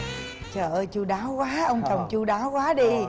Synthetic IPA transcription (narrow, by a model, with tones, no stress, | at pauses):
t͡ɕəː˧˩ʔə˧jt͡ɕu˧ɗaː˨˦wkwaː˨˦ʔə˧wŋ͡mt͡ɕə˨˩wŋ͡mt͡ɕu˧ɗaː˨˦wkwaː˨˦ɗi˧